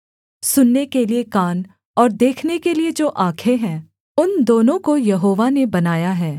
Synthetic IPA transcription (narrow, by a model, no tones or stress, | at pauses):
sʊnːekeliekaːn | ɔːɾd̪eːkʰnekelied͡ʒoːʔaːkʰeɦɛ̃ː | ʊnd̪oːnõkojɐɦoːʋanebɐnaːjaɦɛː